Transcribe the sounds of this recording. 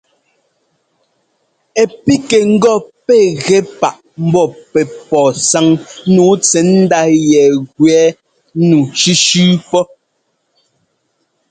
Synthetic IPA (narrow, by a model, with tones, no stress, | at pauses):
ɛ˨pi˦ke˨ŋ̩˦ɡɔ˦˨pɛ˦˨ɣɛ˨˦pa˨ʔ | m̩˦bɔ˦˨pɛ˨pɔː˨sa˨˦ŋ˦nuː˨˦t͡sɛ˨˦n̩˦da˦jɛ˨ɣwɛː˨˦ | nu˨ʃi˦ʃʉː˦pɔ˦